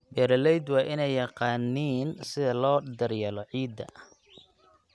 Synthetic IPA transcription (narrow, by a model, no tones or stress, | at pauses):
bɛːɾɐlɛjd̪wɑːʔɪnɛjːɑqɑːniːnsɪðɐlɔːd̪ɐrjɐlɔʕiːd̪ɐ̰